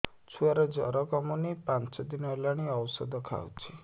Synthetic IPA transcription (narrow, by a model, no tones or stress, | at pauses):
t͡ʃʰuaɾɔd͡ʒɔ̰ɾɔkɔmunipãnt͡ʃɔd̪inɔelaɽ̃iɔwsɔ̰d̪ɔkʰa̰wt͡ʃʰi